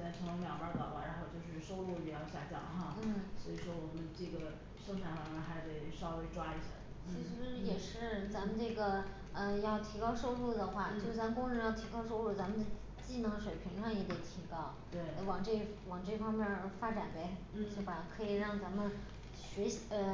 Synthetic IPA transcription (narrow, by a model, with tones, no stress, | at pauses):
a˥˩ʈ͡ʂʰɤ˧˥ŋn˧˥ŋmjɑ˨˩ʊa˧˥t̪ɑ̰˨˩ʊ̰˧˩ɻa˧˥nxo˥˧ʊt͡ɕjo˥˧ʊʂɻ̩˥˩ʂo˥ʊlu˥˩ɻy˥˩jɑ˥˧ʊɕja̰˥˧t͡ɕjɑ̰˥˩ŋxɑ˥˧n̩˥˩swɔ˧˥i˨˩ʂwɔ˥wɔ˨˩mə˦nʈ͡ʂɤ˥˩ɡə˩ | ʂɤ˥˩ʊʈ͡ʂʰa˨˩fɑ˧˥ŋmɛ˥˧nxa˧˥ɪt̪e˥˩ɪʂɑ˥ʊwe˥ɪʈ͡ʂwa˥i˥˩ɕjɛ̰˧˥˦ | t͡ɕʰi˧˥ʂɻ̩˧˥jɛ˨˩ʂɻ̩˥˩t͡sa˧˥mə˧nʈ͡ʂɤ˥˩ɡə˩ | ə˧jɑ˥˩ʊt̪ʰi˧˥kɑ˥ʊʂo˥˧ʊɻu˥˩d̪ə˩xwa˥˩t͡ɕo˥ʊ˧ʊʂɻ̩˥˩t͡sa˧˥mə˨˧kʊ˥ŋɻə˧˥njɑ˥˩ʊt̪ʰi˧˥kɑ˥ʊʂo˥ʊɻu˥˩t͡sa˧˥mə˨n˥ | t͡ɕi˥˩nɤ˧˥ŋʂwe˨˩ɪpʰi˧˥ŋʂɑ˥˩ŋjɛ˧˥t̪e˨˩ɪt̪ʰi˧˥kɑ˥ʊt̪we˥˩ɪ˩wɑ˨˩ŋʈ͡ʂɤ˥˩ | wɑ˨˩ŋʈ͡ʂɤ˥˩fɑ˥ŋmjɛ˥˩nfa˥ʈ͡ʂa˨˩npe˧˥˩ɪ | e˥˩ba˨˩kʰɤ˧˥i˨˩ɻɑ˥˩ŋt͡sa˧˥mə˧n | ɕɥɛ˧˥ɕə˧